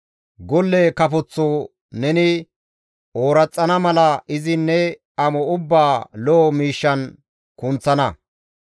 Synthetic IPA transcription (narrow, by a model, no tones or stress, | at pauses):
ɡɔlːɛkɐpɔt͡sːo | nɛnɪ | oːɾɐt͡sʼːɐnɐmɐlɐɪzɪnːɛ | ɐmɔʊbːaːlɔːmiːʃːɐn | kʊnt͡sːɐnɐ